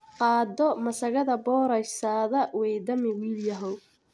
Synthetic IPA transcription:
qɑːd̪ɔmɐsɐɣɐðɐbɔːɾɐjsaːðɐwɛjd̪ɐmɪwiːljɐɦɔw

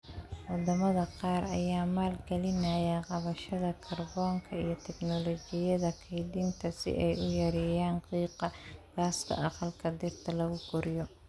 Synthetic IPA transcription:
wɑd̪ɐmɐðɐqɑːrɐ̰jaːmaːlɡɛlɪnaːjɛqɑβɐʃɐðɐkʰɐrbɔːŋkʰɐijɞt̪ʰɛɡnɔlɔːt͡ʃɪjɐðɐkʰɛjd̪ɪnt̪ʰɐsɪ̰ʔɛjʊjɐɾɛːjaːnqiːqɑɡ̥aːskʰɐ̰ʔɑqɑlkʰɐd̪ɪrt̪ʰɐlɐɣʊɡʊɾɪjɔ

